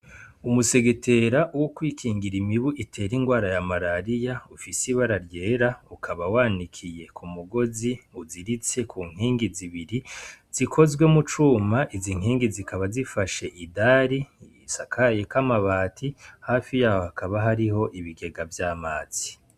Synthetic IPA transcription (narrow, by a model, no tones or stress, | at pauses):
umuse̞ɡetʰe̞ɾaʔuwokwiːkʰiːŋɡiɾimiβuʔitʰe̞ːɾiŋɡwaːɾajamaɾaɾijaufisiβaɾaɾje̞ːɾaukʰaβawaːnikʰije̞kʰumuɡo̞ziuziɾit͡se̞kʰuːŋ̥hiːŋɡiziβiɾiz̥ikʰo̞zɡwe̞mut͡ʃuːmaʔiziŋ̥hiːŋɡizikaβazifaʃe̞ʔidaɾi | sakʰajekamaβaːtʰihaːfijahohakaβaɦaɾiɦo̞ʔiβiɡe̞ɡavjaːmaːz̥i